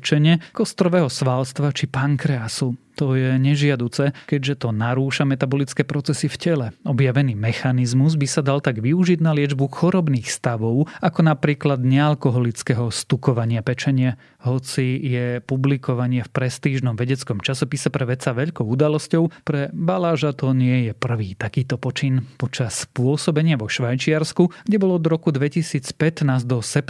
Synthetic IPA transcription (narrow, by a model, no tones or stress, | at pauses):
t͡ʃɛɲɛkɔst̪ɾɔʋɛːɦɔsʋaːlst̪ʋat͡ʃipaŋkɾɛasut̪ɔjɛɲɛʒɪad̪uːt͡sɛkɛɟʒɛt̪ɔnaɾuːʃamɛt̪abɔlit͡skɛːpɾɔt͡sɛsifcɛlɛɔbjaʋɛniːmɛxanizmuzbisad̪alt̪aɡʋiuʒid̪nalɪɛd͡ʒbuxɔɾɔbniːxst̪aʋɔʊakɔnapɾiːklad̪ɲɛalkɔɦɔlit͡skɛɦɔst̪ukɔʋaɲɪapɛt͡ʃɛɲɪa | ɦɔt͡sijɛpublikɔʋaɲɪɛfpɾɛst̪iːʒnɔmʋɛɟɛt͡skɔmt͡ʃasɔpisɛpɾɛʋɛt͡saʋɛʎkɔʊud̪alɔscɔʊpɾɛbalaːʒat̪ɔɲɪɛjɛpr̩ʋiːt̪akiːt̪ɔpɔt͡ʃinpɔt͡ʃaspʊɔsɔbɛɲɪaʋɔʃʋajt͡ʃiɪaɾskuɡ̥ɟɛbɔlɔɔd̪ɾɔkud̪ʋɛcisiːt͡spɛt̪naːzd̪ɔsɛp